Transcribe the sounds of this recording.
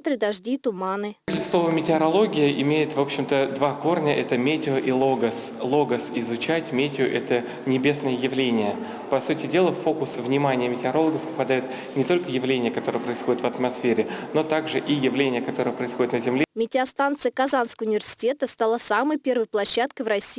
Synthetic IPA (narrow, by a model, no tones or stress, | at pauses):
t̪ɾʲɨd̪ɐʐdʲit̪ʊmanɨlʲɪslˠovəjmʲɪtʲɪɐɾɐlˠo̞ɡʲɪjəʔɪmʲejɪt̪vo̞pɕːɪmt̪əd̪vako̞rnʲəʔɛt̪əmʲetʲɪoʔilˠoɡəs | lˠo̞ɡəsɪzʊt͡ɕætʲmʲetʲɪʊʔɛt̪ə | nʲɪbʲe̞snəjəjɪvlʲenʲɪjə | pɐsutʲɪdʲe̞lˠəfo̞kʊsvnʲɪmanʲɪjəmʲɪtʲɪɐɾo̞lˠəɡəfpə̥pɐd̪ajʊt̪ | nʲɪt̪o̞lʲkəjɪvlʲenʲɪjəkɐt̪o̞ɾəɨjəpɾəɪsxo̞dʲɪt̪vət̪mɐsfʲeɾʲɪno̞t̪aɡʐɨʔijɪvlʲenʲɪjəkɐt̪o̞ɾəɨjəpɾəɪsxodɪt̪nəzʲɪmlʲemʲɪtʲɪɐst̪ant̪sɨjəkɐzanskəəʊnʲɪvʲɪrsʲɪ̥tʲe̞t̪əst̪alˠasaməjpʲe̞rvəjplˠɐɕːat̪̚kəjvrɐsʲiː